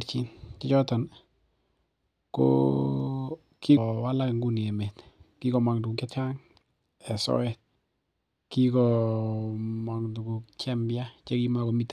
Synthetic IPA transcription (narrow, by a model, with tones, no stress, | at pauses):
ɾt͡ʃi˦nkɪ˦t͡ʃɔtɔn | ko̰ | ki˦wala˦kŋɡu˦ni˨ɛ˨mɛtki˦kɔ˨ma˨ŋdu˨ɡu˨kɛ˦t͡ʃaŋ | ɛ˨sɔ̰˦ɛt̚ | ki˦kɔ | ma˨ŋdu˨ɡu˨kt͡ʃɛmbjat͡ʃe˦kimakɔ˨mit